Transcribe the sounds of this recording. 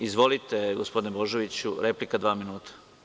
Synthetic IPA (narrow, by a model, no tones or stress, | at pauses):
izʋo̞lit̪eɡospo̞d̪inebo̞ʒo̞ʋit͡ɕuɾeplikad̪ʋaːminuːt̪ʰḁ